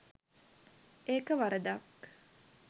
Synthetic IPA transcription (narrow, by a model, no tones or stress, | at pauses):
eːkəʋaɾəd̪ak